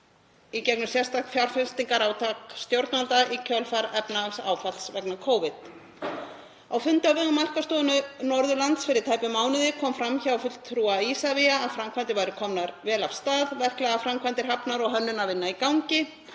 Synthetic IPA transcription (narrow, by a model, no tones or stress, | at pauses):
icɛknʏmsjɛrst̪aht̪fjawɾ̥fʏlst̪iŋkaɾawt̪ʰakst̪jowɾt̪nalt̪aʔicʰœlfaɾɛpnasa̰ːwfalsvɛknakʰoːwvɪt̪ | awfʏnt̪ɪawvɪɣʏmːal̥kast̪oːʏnʏnɔɾðʏlant̪sfɪɾɪɾ̥t̪ʰaːjpʏmaːwnɪðɪkʰɔːmfɾamçaawfʏl̥t̪ʰːɾuːaisaviaːðfɾamkʰvant̪ɪvaːjɾʏkʰɔmnaɾvɛːlav̥st̪aːðvɛr̥klɛɣafɾamkʰvant̪ɪɾ̥ɦapnaɾɔɣɦœnːʏnavɪnːaikawɲcɪ